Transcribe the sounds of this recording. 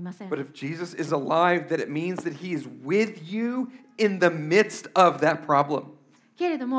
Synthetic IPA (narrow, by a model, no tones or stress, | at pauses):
b̥ʌɾɨfd̥ʒ̥izɨsɨzəlaɪvðɨɾɨt̚mĩnzðɨt̚hiɨzwɪðjʉ | ɪ̃nðɨmɪd̥stʌvðɨt̚pʰɹ̥ɑblə̰̃m | ɡ̥ɛðəm